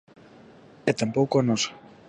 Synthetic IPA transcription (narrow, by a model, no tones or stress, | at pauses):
et̪ampowkonos